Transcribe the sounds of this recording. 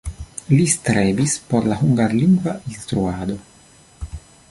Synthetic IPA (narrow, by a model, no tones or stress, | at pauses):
list̪ɾevispoɾlaɦuŋɡaɾliŋɡvainst̪ɾuaːd̪o̞